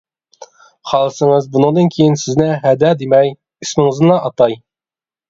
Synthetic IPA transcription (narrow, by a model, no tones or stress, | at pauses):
χɑlˠɨsɨŋɨzbunɨŋd̪ɨnkʲʰejinsɪznɪɦæd̪ɛd̪emɛj | ismɪŋɨznɨlˠɑʔɑt̪ɑj